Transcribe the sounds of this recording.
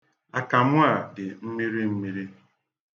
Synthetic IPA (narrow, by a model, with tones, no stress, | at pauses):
a˨ka˨mʊ˦a˨dɪ˨m̩˦mi˦ɾi˦m̩˦mi˦ɾi˦